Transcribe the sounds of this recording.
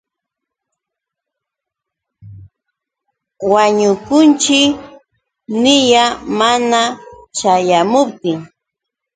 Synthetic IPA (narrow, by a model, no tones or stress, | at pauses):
waɲʊkʊnt͡ʃɪk | nɪjamanat͡ʃajamʊp̚t̪ɪŋ